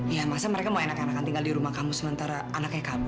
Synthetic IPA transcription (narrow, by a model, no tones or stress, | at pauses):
jamasaməɾekamoenakanakant̪iŋɡaldiɾumahkamusəmənt̪aɾaːnak̚ɲakabʊ